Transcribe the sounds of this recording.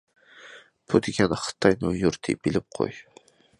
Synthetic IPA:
b̥ud̪ɪɡʲɛnχɨ̥t̪ʰɑjnujuɾt̪ʰɪ̰bilɪp̚qʰo̰j

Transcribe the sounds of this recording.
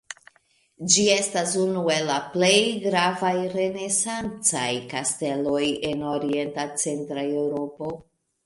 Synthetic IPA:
d͡ʒie̞stasunue̞lːaple̞jɡɾavajɾe̞ne̞sant͡sa̰jkaste̞lo̞je̞no̞ɾie̞ntat͡se̞ntɾae̞wɾo̞po̞

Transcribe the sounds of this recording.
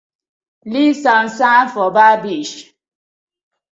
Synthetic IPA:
lisɔn̩sãfɔbabiʃ

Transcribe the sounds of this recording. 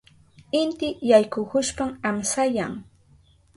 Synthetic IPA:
ɪnt̪ɪjajkʊkʊʃpamamsajaŋ

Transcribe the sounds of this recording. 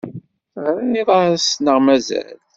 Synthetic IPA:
θʁɾæniðˤɑsnəʁmæzæ̰l

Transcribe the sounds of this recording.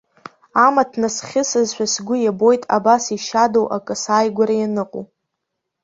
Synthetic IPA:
amatʰnasχʲɪsɨzʃʷᶣasɡʷʊjabo̞jtʼa̰basiʃadowʔa̰kʼɨsaːjɡʷaɾajanɨqʼo̰

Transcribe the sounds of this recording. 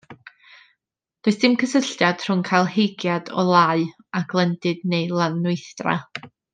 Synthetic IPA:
d̥oɨsd̥ɪmkʰəsəɬtjad̥r̥ʊŋkʰajlˠhejɡjad̥ɔ̰lˠaɨ | aɡlˠɛndɪdnejlˠanʊɨθdra̰

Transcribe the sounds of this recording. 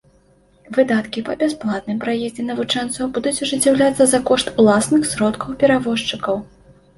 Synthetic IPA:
vɨd̪at̪kʲipɐbʲasplˠat̪̚nɨmpɾajɛzʲd͡zʲɛnɐvut͡ʂɛnt̪sɐwbud̪ut͡sʲuʐɨt͡sʲːawlʲat̪sːɐzɐkɔʂt̪ulˠasnɨxsɾɔt̪kɐwpʲɛɾavɔʂt͡ʂɨkɐw

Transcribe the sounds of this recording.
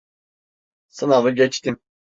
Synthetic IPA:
sɯnavɯɟɛt͡ʃt̪im

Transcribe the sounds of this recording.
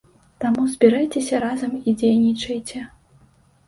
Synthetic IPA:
t̪amuzʲbʲiɾajt͡sʲesʲɐɾazɐmid͡zʲejnʲit͡ʂɐjt͡sʲɛ

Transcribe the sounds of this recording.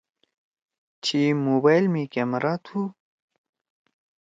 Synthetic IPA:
t͡ɕʰimobajlmikemɐɾaːt̪ʰu

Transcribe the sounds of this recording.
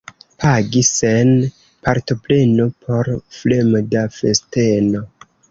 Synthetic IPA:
pʰaɡisen | paɾto̞ple̞no̞pʰo̞ɾflemodafe̞̰ste̞no̞

